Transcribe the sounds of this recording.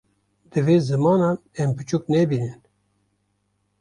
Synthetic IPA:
d̪̥ɨveːzɨmɑːnɑːn | ɛmpɨt͡ʃuknɛbiːnɨn

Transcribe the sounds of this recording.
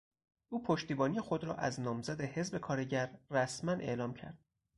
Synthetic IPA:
ʔuːpʰoʃt̪iːbɒːnijexod̪ɾɒ̰ːʔæ̰znɒːmzæd̪ehe̞zbe̞kʰɒːɾe̞ɟæɾːæsmænʔe̞̰ʔlɒːmcʰæ̰ɾd̪̥

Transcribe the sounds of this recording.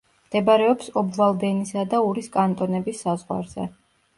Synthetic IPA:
md̪̥ɛbaɾɛɔpsɔbvalˠd̪ɛnisad̪auɾiskʼant̪ʼɔnɛbisːazʁwa̰ɾz̥ɛ̰

